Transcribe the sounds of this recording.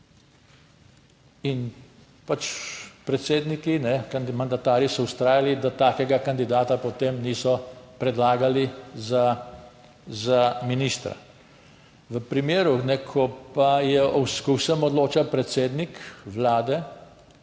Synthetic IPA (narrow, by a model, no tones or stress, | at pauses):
in | pat͡ʃpɾɛt̪seːd̪nikinɛkanmand̪at̪aːɾisɔwst̪ɾaːjalid̪at̪aːkɛɡakand̪id̪aːt̪apɔt̪eːmniːsɔpɾɛd̪laːɡaliza | zaminiːst̪ɾa̰ | ʋəpɾimeːɾunɛkʰɔpajɛɔwskusəmɔd̪loːt͡ʃapɾɛt̪seːd̪nikʋlaːd̪ɛ